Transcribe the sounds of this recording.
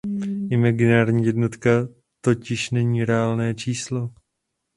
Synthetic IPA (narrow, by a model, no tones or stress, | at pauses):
ʔɪmaɡɪnaːɾɲiːjɛdno̞t̪ka | t̪o̞cɪʃnɛɲiːɾɛaːlnɛːt͡ʃiːslo